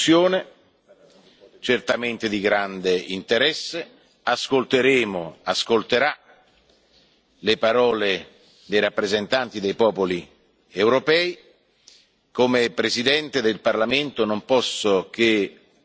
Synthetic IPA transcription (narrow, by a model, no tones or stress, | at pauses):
joːne | t͡ʃert̪ament̪ed̪iɡɾand̪eint̪eɾɛsːe | askolt̪eɾeːmoaskolt̪eɾa | lepaɾɔːle | d̪ejɾapːɾezent̪ant̪id̪ejpɔːpoli | ewɾopɛːi | komepɾezid̪ɛnt̪ed̪elparlament̪onompɔsːok̟e